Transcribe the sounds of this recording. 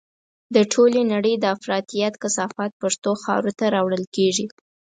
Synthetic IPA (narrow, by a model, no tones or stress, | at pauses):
d̪əʈʰolenaɽəjd̪əafɾɑt̪ijat̪kasɑfat̪̚pəɾt̪oxɑ̰ɾut̪aɾɑwɽəlkeʐi